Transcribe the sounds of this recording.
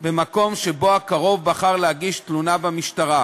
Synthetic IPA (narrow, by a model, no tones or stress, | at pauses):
bemako̞mʃe̞bo̞akaʁo̞vbaχaʁlehaɡiʃtlunabamiʃtaʁa